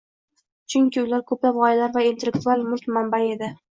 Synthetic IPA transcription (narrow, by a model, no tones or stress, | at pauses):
t͡ʃʰʊŋkʲɪʊlaɾkʰɵplapʁɒjalaɾvaint̪elːek̚t̪ʊalˠmʊlk̪ʲmambae̞d̪ɪ